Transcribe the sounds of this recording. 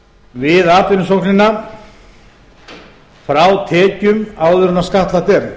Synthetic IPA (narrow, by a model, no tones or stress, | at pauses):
vɪðaːt̪ɪnʏsowknɪnːa | fɾawt̪ʰɛːcʏmawðʏɾʏnaskaht̪lat̪ɛɾ